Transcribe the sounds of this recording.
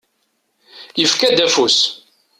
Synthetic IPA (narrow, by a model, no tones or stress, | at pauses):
jəfkæd̪æfus